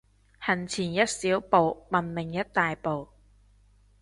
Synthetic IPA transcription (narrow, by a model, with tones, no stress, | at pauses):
hɐ˨˩nt͡sʰiː˨˩njɐ˥t̚siː˨˥wpo˨wmɐ˨˩nmɪ˨˩ŋjɐ˥t̚t̪aː˨jpo˨w